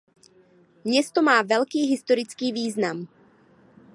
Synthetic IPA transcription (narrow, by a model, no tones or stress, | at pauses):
mɲɛst̪omaːvɛlkiːɦɪst̪oɾɪt͡skiːviːznam